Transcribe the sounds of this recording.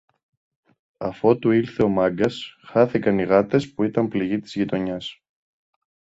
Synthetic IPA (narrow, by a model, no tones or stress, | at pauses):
ɐfo̞t̪uiɾθe̞o̞mɐɡɐsxɐθikɐniɣɐt̪e̞spuit̪ɐmpliʝit̪i̥zʝit̪o̞ɲɐs